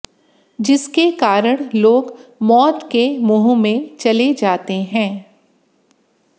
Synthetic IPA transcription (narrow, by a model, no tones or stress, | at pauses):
d͡ʒɪskekaːɾəɽ̃loːɡmɔːt̪kemʊɦumẽt͡ʃɐled͡ʒaːt̪eɦɛ̃ː